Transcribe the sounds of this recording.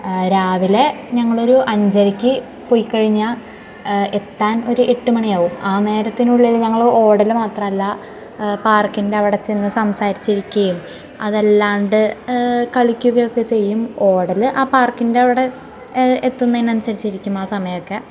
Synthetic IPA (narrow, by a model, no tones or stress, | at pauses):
ɾaːʋile̞ɲɐŋːɐɭo̞ɾuʔɐɲd͡ʑɐɾikʲːɨ | pojikːɐɻiɲːɐ | e̞t̪ːaːno̞ɾuʔeʈːumɐɳijaːʋumaːne̞ːɾɐt̪ːinuɭːilɲɐŋːɐɭo̞ːɽɐlmaːt̪rɐmɐlːɐ | paːrkːinde̞ɐʋiɽe̞t͡ɕːenːɨsɐmsaːɾit͡ɕːiɾikʲːɐjum | ɐðelːaːɳɖɨkɐɭikʲːuɣɐjo̞kːe̞t͡ɕe̞jːumo̞ːɽɐlɨʔaːpaːrkinde̞ɐʋiɽe̞ | et̪ːunːɐinːɐnusɐɾit͡ɕːiɾikʲːumaːsɐmɐjɐokːe̞